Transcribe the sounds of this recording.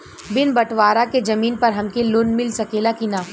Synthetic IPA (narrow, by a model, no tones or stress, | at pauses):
bɪnbɐʈʋaːɾaked͡ʒɐmiːnpɐɾɦɐmkeloːnmɪlsɐkeːlakinaːf